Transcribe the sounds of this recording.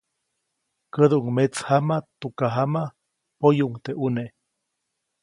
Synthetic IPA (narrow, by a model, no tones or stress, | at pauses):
kəðuuŋmet͡shamat̪ukaɦama | pojuŋt̪eʔune